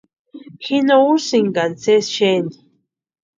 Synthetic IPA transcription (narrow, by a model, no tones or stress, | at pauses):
xinousiŋɡant͡sesʃeni